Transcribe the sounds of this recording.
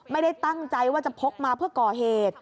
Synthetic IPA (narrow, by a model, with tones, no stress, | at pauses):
ma˥˩jda˥˩jt̪a˥˩ŋt͡ɕa˧jwaː˥˩t͡ɕa˨˩pʰo˦˥p̚maː˧pʰɯ˥˩ɐkɔː˨˩ɦeː˨˩t̪̚